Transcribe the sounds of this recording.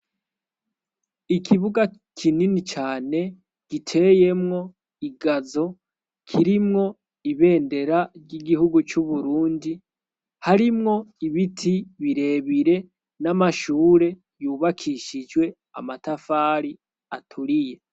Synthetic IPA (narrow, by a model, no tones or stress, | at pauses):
ikʰiβuɡakʰininit͡ʃaːne̞ | ɡ̥itʰe̞je̞mŋo̞ | iɡazo̞ | kʰiɾimŋo̞ | iβe̞ːnde̞ɾaɾɟiɡihuɡut͡ʃuβuɾuːndi | haɾimŋo̞iβitʰiβiɾe̞ːβiɾe̞ | namaʃuːɾe̞ | juːβakʰiʃid͡ʒɡwe̞ | a̰matafaːɾi | a̰tʰuɾije̞